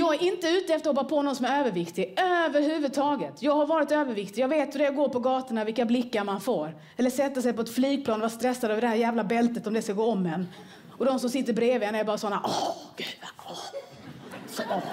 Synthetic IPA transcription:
jɑːɡæʔɪnt̪əʉ̟ːt̪əɛft̪ɔhɔpːapʰoːnɔɡnsɔmæɾøːvəɾvɪkt̪ɪøːvəɾɦʉ̟ːvɵd̪̚t̪ʰɑːɡət̪jɑːɡhaɾvɑːɾɪt̪øːvəɾvɪkt̪ɪjɑːɡveːt̪hɵɾɛɡoːɾpɔɡɑːt̪əɳavɪlkːablɪkːaɾmanfoːɾ | ɛlːəʂɛt̪ːasɛjpɔɛt̪fliːɡ̚pʰlɑːnvast̪ɾɛsːad̪øːvəɖɛhæːɾjæːvlabɛlt̪ət̪ɔmd̪ɛskaɡoːɔmːɛnː | ɔd̪ɔmsɔmsɪt̪ːəɾbɾeːvɛnɛɾbɑːɾasɔnːaʔɔɡ̥ʉ̟d̪vaɔ | sɔ

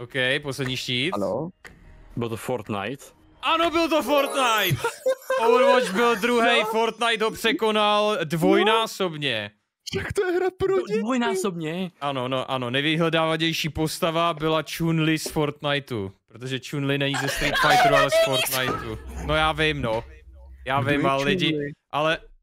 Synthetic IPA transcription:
ʔowkɛjposlɛdɟɲiːʃcḭː | bɪlt̪ofoɾt̪na̰jt̪ | ʔano̞bɪlt̪ofoɾt̪najt̪ʔowɾvot͡ʃbɪld̪ɾuɦɛjfo̞ɾt̪najt̪ɦopr̝̥ɛko̞naldvo̞jnaːso̞bɲɛ | ʃakt̪ojɛɦɾapɾodvojnaːsobɲɛʔano̞no̞ʔano̞nɛjvɪɦlɛdaːvaɲɛjʃiːpo̞st̪avabɪlat͡ʃunlɪsfo̞ɾt̪najt̪ṵpɾot̪oʒɛt͡ʃunlɪnɛɲizɛst̪ɾit̪fajt̪ɾualɛsfoɾt̪najt̪uno̞jaːvɪmnojaːvɪmallɪɟɪʔalɛ

